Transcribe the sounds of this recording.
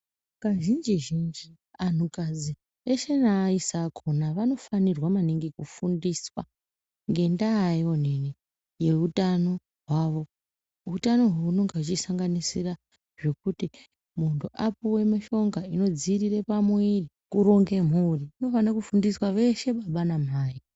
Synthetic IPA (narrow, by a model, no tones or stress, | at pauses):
kaʒind͡ʒiʒind͡ʒi | an̤ukad͡zi | eʃe̞naːisakʰonaʋano̞fanirwamaniŋɡikufundiswa | ŋɡe̞ndaːjo̞n̤eni | je̞utano̞ | ɦwaʋo̞ | utano̞ɦunoŋɡat͡ʃisaŋɡanisira | ʐe̞kuti | muntʰuʔapuwe̞maʃo̞ŋɡaino̞d͡zirirepamwiri | kuɾo̞ŋɡe̞m̤uriːno̞fanrakufundiswaʋe̞ʃe̞ɓaɓanam̤aːji